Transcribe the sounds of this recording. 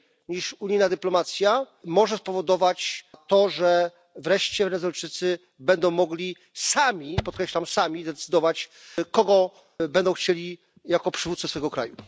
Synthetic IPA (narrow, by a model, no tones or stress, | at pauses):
ɲiʂuɲijnad̪ɘplɔmat̪sʲja | mɔʐɛspɔvɔd̪ɔvat͡ɕt̪ɔʐɛ | vɾɛʂt͡ɕɛvɛnɛzɔjt͡ʂɘt̪sɘ | bɛnd̪ɔ̃w̃mɔɡlʲi | samʲipɔt̪kɾɛɕlamsamʲizd̪ɛt̪sɘd̪ɔvat͡ɕkɔɡɔ | bɛnd̪ɔ̃w̃xt͡ɕelʲi | jakɔpʂɘvut̪sɨsfɛɡɔkɾa̰ju